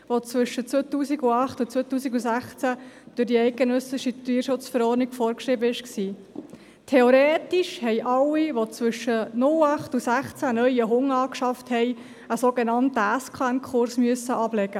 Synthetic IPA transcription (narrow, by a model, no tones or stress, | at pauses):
ʋot͡sʋʏʃːət͡sʋotuːsiɡuɑχtut͡soːt̪uːsiɡusæχt͡sæd̥ʉɾdiɛɪɡ̚ɡenœsɪʃityːɾʃʊt͡sfəɾɔːrdniɡ̥fɔːɾkʃɾɪbəɪʃksiː | tʰeoɾeːtiʃhɛɪʔɑlːiʋot͡sʋʏʃənʊlɑχtusæχt͡sænœʏəɦʊŋɑːkʃɑfthɛɪ | əsoɡenɑntəæskʰankʰʊɾsmyəsəʔɑblɛɡə